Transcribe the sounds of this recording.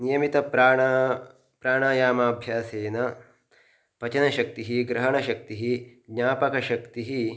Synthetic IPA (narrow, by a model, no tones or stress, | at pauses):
nijɐmit̪ɐpɾaː | pɾaːɳaːjaːmaːbʱjaːseːnɐ | pɐt͡ʃɐnɐʃɐk̚t̪iɦiɡɾɐɦɐɳɐʃɐk̚t̪iɦiɡɲaːpɐkɐʃɐkt̪iɦi